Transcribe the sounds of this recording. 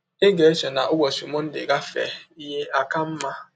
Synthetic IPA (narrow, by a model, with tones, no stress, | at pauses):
e˦ɡe˨e˦t͡ʃe˨na˨ʔʊ˦ɡʷɔ˨si˨mo˦n̩˦dɪ̰˨ɡa˦fɛ̰˨i˦ɦe˦ʔa˦ka˦m̩˦ma˦